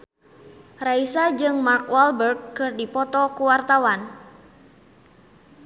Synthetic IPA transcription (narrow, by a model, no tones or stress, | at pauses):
raisad͡ʒɨŋmarkwalbərɡ̚kɨrdipɔt̪ɔkuwart̪awan